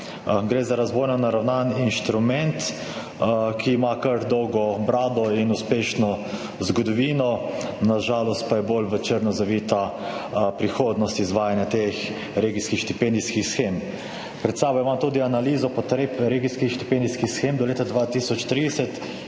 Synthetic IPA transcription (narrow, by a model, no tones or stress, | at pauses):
ɡɾeːzaɾazʋojnɔnaɾawnaninʃt̪ɾumɛnt̪ | kʰiːmakəɾd̪ɔwɡɔbɾaːd̪ɔinuspeːʃnɔ | zɡɔd̪ɔʋiːnɔnaʒaːlɔst̪̚pajɛbolʋɛt͡ʃeɾnɔzaʋit̪a | pɾixoːd̪nɔst̪izʋaːjanjat̪ex | ɾeːɡiskixʃt̪ipɛnd̪iskixsxem | pɾɛt̪saːbɔjmamt̪uːd̪ianaliːzɔpɔt̪ɾeːpɾeɡiskixʃt̪i̥pend̪iskixsxemd̪ɔleːt̪ad̪ʋat̪iːsɔt͡ʃt̪ɾid̪ɛsɛt̪